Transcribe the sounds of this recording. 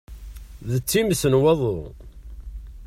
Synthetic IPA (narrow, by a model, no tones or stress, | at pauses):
ðət͡sːimsənwɑðˤʊ